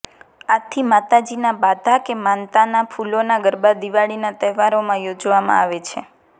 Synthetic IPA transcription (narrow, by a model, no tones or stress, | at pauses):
at̪ʰimat̪ad͡ʒinabad̪ʱakemant̪anafulonaɡəɾbad̪iʋaɭinat̪ɛɦʋaɾomãjod͡ʒʋamã̰aʋet͡ʃʰḛ